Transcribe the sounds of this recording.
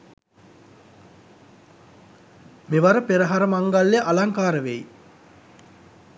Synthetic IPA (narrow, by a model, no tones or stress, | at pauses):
meʋaɾəpeɾəɦaɾəmaŋɡaljəʔalaŋkaːɾəʋej